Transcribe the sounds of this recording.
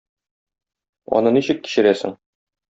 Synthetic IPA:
ɒ̰nɤniɕɘkːi̥ɕɘ̆ɾæsɘ̰ŋ

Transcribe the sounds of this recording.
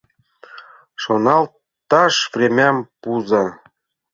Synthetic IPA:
ʃonɑl | t̪ɑʃvrʲemʲæmpuzɑ

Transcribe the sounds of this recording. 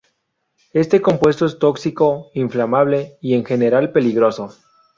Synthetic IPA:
e̞st̪eko̞mpwe̞s̬t̪o̞e̞st̪o̞ksiko̞iɱflamaβ̞le̞ie̞ŋxe̞ne̞ɾalpe̞liɣɾo̞so̞

